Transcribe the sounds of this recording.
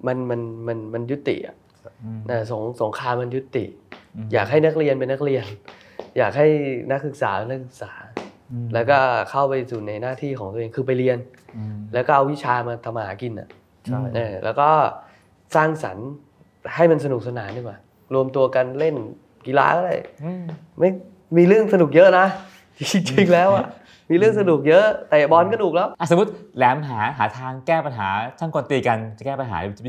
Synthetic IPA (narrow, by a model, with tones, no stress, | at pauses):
ma˧nma˧nma˧nma˧nju˦˥t̪ːḭ˨˩ʔa̰˨˩ʔ | ʔaː˧˩so˩˦ŋso˩˦ŋkʰaː˧mːa˧nju˦˥t̪ːḭ˨˩ʔjaː˨˩k̚ɦa˥˩jna˦˥k̚li˧ənpe˧nːa˦˥k̚li˧ən | jaː˨˩k̚ha˥˩jna˦˥k̚sɯ˨˩k̚saː˩˦˧na˦˥k̚sɯ˨˩k̚saː˩˦ | lɛː˦˥wkɔː˥˩kʰa˥˩wpa˧jsuː˨˩na˧jnaː˥˩t̪ʰiː˥˩kʰɔː˩˦ŋt̪u˧˨eː˧ŋkʰɯː˧p̬a˧jli˧ən | lɛː˦˥wkɔː˥˩ʔa˧wi˦˥t͡ɕʰaː˧maː˧t̪ʰa˧mːʔa˧haː˩˦ki˧nʔa̰˨˩ʔ | ʔɤː˧lɛ̰˦˥wkɔː˥˩ | saː˥˩ŋsa̰˩˦n | ha˥˩jma˧nsa˧nu˨˩k̚sa˧naː˩˦ndɯ˧˩ŋwaː˨˩ | ɾu˧əmt̪u˧ɐka˧nle˥˩n | ki˧la̰ː˧˦kɔː˥˩ɾa̰˧˩j | ma˥˩j | miː˧ɾɯ˥˩əŋsa˧nu˨˩k̚jɤ˦˥ʔna˦˥˩ | ki˧˩t͡ɕi˨˧ŋlɛː˦˥wʔa˨˩ | miː˧ɾɯ˥˩əŋs̬a˧nu˨˩k̚jɤ˦˥ʔt̪ɛː˨˩bɔː˧nkɔ˧˥nu˨˩k̚lɛː˦˥wʔa˧˨˩su˨˦u˦˥t̪̚lɛː˩˦mɦaː˩˦ɦaː˩˦t̪ʰaː˧ŋkɛː˥˩pa˧nɦaː˩˦t̪ʰa˥˩ŋkɔ˧nt̪iː˧ka˧nt͡ɕa˨˩kɛː˥˩pa˧nɦa̰ː˩˦˧